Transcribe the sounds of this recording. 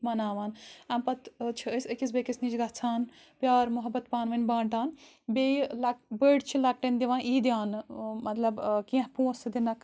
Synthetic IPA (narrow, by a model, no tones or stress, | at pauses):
mɐnaːʋaːnampɐt̪t͡ʃʰiəsəkis̬bekisniːd͡ʒɡɐt͡sʰaːn | pjaːɾmuɦɐbːɐt̪paːnʋɐnʲbaːɳʈaːn | belɐbəːɖt͡ʃʰilɐk̚ʈɐnʲd̪iʋãːnʔiːd̪jaːnmɐt̪lɐbkĩɦpũːsd̪inɐk